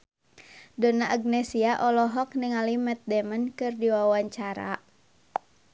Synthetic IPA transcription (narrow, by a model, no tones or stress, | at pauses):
dɔnaʔaɡ̚nɛsiaʔɔlɔɦɔk̚niŋalimɛt̪̚dɛmənkɨrdiwawaɲt͡ʃaɾa̰